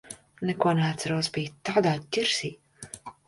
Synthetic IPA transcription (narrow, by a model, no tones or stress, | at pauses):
nɛkuɔneat̪saɾosbiːt̪aːd̪aːcʲiɾsiː